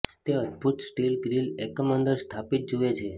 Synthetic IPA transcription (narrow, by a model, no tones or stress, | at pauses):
t̪eəd̪̚bʱut̪sʈilɡɾilekəmənd̪əɾst̪ʰapit̪̚d͡ʒuet͡ʃʰe